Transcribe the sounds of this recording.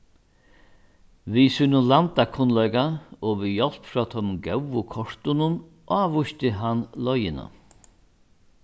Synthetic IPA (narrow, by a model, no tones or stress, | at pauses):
ʋisuːnʊlant̪akʰʊnlɔjkaɔʋijɔl̥pfɾɔt̪ʰɔmɡɛwʋʊkʰɔʂt̪ʊnʊn | ʔaːvʊʃt̪ɪɦanlɔjɪna̰